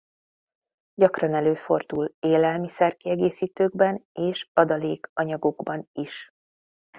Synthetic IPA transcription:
ɟɒkrɒnɛløːfo̞rd̪uleːlɛlmisɛrkiɛɡeːsiːt̪øːɡbɛneːʃɒd̪ɒleːkɒɲɒɡo̞ɡbɒniʃ

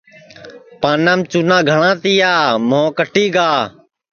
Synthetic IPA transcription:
paːnãːmt͡ʃuːnãːɡʱəɳãːt̪ijaːmõːkəʈiːɡaː

